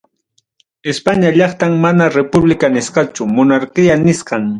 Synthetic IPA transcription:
ɪspaɲaʎɑχt̪aŋmanaɾepʊblɪkanɪsqɑt͡ʃʊmʊnaɾqɪjanɪsqɑŋ

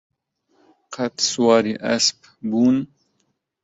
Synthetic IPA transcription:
qʰat̪swaːɾiʔa̰sp | buːn

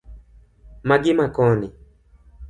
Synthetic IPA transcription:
maɡɪmakɔnɪ

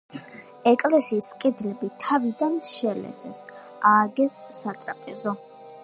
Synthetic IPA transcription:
ɛkʼlɛsiːskʼɛd̪lɛbit̪ʰavid̪anʃɛlɛ̰sɛ̰s | aːɡɛsːat̪ʼɾapʼɛzɔ

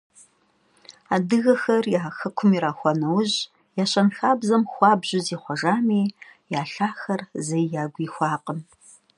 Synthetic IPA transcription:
aːdɨɣɐxɐrjaːxɐkʷʰʊmiɾaːxʷɔnɐwʑ | jaːɕɐnxaːbzɐmxʷɑːbʑɪziːχʷɔʒaːmiːjaːɬaːxɐrzɐjjaːɡʷiːxʷɑːqən

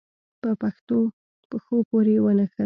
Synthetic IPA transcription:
pəpaxt̪o | pəxopoɾewənəxə

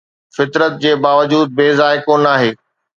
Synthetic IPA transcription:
fɪt̪ɾət̪̚d͡ʑeːbaːʋəd͡ʑuːd̪̚beːzaːɪkoːnaːɦeː

